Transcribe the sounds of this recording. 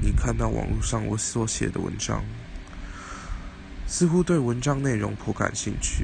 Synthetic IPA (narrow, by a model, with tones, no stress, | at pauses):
ni˨˩kʰa˥˧nt̪ɑ˥˩ʊwʔɑ̰˨˩ŋlṵ˥˧ʂɑ˥˩ŋwə˧˦s̩˥˩wɔ˧˥ɕjɛ̰˨˩d̪ə̰˦wə̰˧˦nʈ͡ʂɑ̰˥ŋ | sɹ̩˥˧xu˦t̪we˥˩ɪwə˧˦nʈ͡ʂɑ˥ŋne˥˩ɪɻo˧˥ŋpʰo˧˥ka̰˨˩nɕi˥˧ŋt͡ɕʰy̰˥˩